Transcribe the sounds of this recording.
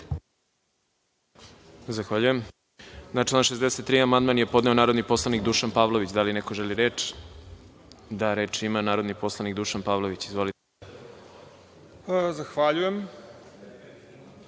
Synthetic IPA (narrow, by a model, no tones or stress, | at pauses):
zaxʋaːʎujem | naʈ͡ʂlaːnʃezd̪eset̪ːɾiamand̪manje̞po̞d̪neo̞naːɾo̞d̪nipo̞slˠanikd̪uʃanpaːʋlˠo̞ʋit͡ɕd̪alinekoʒeliɾet͡ʃ | d̪aɾe̞t͡ʃimanaːɾo̞d̪nipo̞slˠanikd̪uʃanpaːʋlˠo̞ʋit͡ɕizʋo̞lie | zaxʋaʎujem